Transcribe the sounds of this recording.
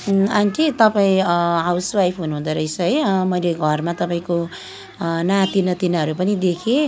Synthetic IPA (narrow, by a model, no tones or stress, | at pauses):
ant̪ʰit̪ʌpaĩɦawswajpʰɦunuɦũd̪ʌɾʌjt͡sʰʌɦʌjmʌjleɡʱʌrmat̪ʌpaĩko | nat̪inʌt̪inɦʌɾupʌnid̪ekʰe